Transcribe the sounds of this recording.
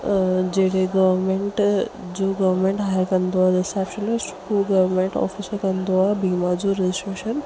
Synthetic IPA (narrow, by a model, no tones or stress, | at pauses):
d͡ʑeɦɽeɡɐʋəɾmẽɳʈd͡ʑoːɡɐʋəɾmẽɳʈɦaːjɾkɐ̃nd̪oɦad̪ɐsɛːpʃənɪsʈkoɡɐʋəɾmẽɳʈɔ̰ːfisəɾkɐ̃nd̪oɦabiːmad͡ʑoɾed͡ʑɪsʈɾeːʃən